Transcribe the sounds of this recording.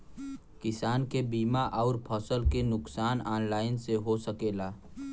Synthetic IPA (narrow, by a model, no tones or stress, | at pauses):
kɪsaːnkebiːmaʔɔːɾpʰəsəlkenʊksaːnaːnlaːɪnseɦosəkeːlaː